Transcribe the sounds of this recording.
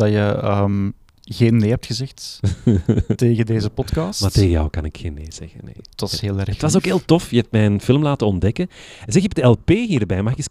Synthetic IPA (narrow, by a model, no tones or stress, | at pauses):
d̥ɑjəəːm | ɣeːnːeːɛp̚txəzɛxt | teːɣədeːzəpɔtkɑːsmateːɣəjɑ̰wkɑnɪkxeːnːḛːz̥ɛ̰ɣə̰nḛːət̪ʋɑsɦeːlˠɛrətʋɑsoːkɦeːlˠtɔfjəɛp̚tmɛjənfɪlˠmlaːtənɔndɛkənzɛkɛb̚dəɛlˠpeːɦiːrbɛjmakəs